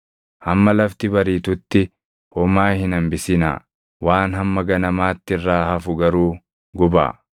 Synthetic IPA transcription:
hɐmːɐlɐft̪ɪbɐɾiːt̪ʊt̪ːɪ | hɔmaːhɪnɐmbɪsɪna̰ː | waːnɦɐmːɐɡɐnɐmaːt̪ːɪrːaːhɐfʊɡɐɾuː | ɡʊba̰ː

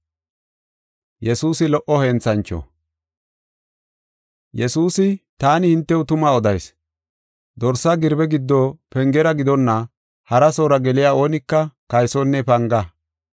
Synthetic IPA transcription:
jɛsuːsɪlɔʔɔhɛːnt͡sɐnt͡ʃːɔ̰ | jɛsuːsɪt̪aːnɪhɪnt̪ːɛʊt̪ʊmaːɔd̪ɐjs | d̪ɔɾsaɡɪɾbɛɡɪd̪ːɔpɛŋɡɛɾɐɡɪd̪ɔnːɐ | hɐɾɐsoːɾɐɡɛlɪjaːo̞ːnɪkːɐkɐjsɔnːɛpɐŋɡɐ

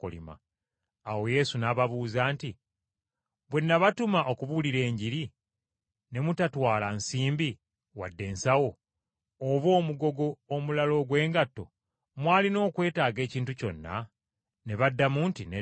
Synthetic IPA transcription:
ko̰lḭma̰ | awo̞je̞ːsunaːβaβuːzaːnti | βwe̞nːaβatumaʔokuβuliɾe̞ːɲɟiɾi | ne̞mutatwaːlansiːmbi | wa̰dːe̞ːnsawo̞ː | βo̞ːmuɡo̞ɡoːmulalo̞ɡwe̞ːŋɡatːo̞̰ | mwaːlino̞ːkwe̞ːtaːɡe̞ːciːntuco̞̰nːa̰ | ne̞βadːamuntine

